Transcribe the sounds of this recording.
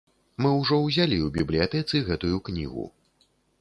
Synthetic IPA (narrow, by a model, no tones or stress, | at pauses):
mɨwʐɔwzʲalʲiubʲiblʲijat̪ɛt̪sɨɣɛt̪ujuknʲḭɣṵ